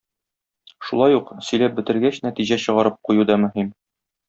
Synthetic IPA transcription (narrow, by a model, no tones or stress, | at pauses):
ʃulˠɑjuqsɵ̆jlæp̚bɘ̆t̪ɘ̆ɾɡæɕnæt̪iʑæɕɤ̆ʁɑɾɤp̚qujud̪ɒmɵ̆ɦim